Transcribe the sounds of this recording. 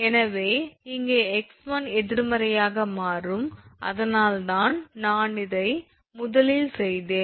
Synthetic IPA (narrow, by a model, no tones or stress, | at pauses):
ɛnɐʋeːɪŋɡeːɛksmɐnɛðɪɾmɐɾɐjaːɣɐmaːrɯmʔɐ̰ðɐnaːlt̪aːnnaːnɪðɐɪ | mʊðɐlɪlsɛjðeːn